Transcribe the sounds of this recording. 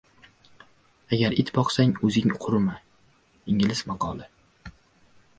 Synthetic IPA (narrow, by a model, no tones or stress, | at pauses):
aɡʲaɾɪt̪bɒqsaŋɵzɪŋqʰʊɾma | iŋɪlɪsmɑqʰɒlˠɪ